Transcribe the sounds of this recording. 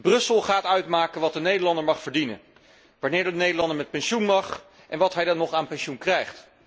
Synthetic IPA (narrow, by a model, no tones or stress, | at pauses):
brɵsəlˠχaːtœɥtmaːkənʋɑt̚dənejdəɹlɑndəɹmɑχfəɹdinə̰n | ʋaːɹnɪːɹdəənejdəlɑndəɹmɛt̚pɛnʃunmɑχ | ʔɛnʋɑtɦɛjdɑnɔχaːnpɛnʃunkrɛjχt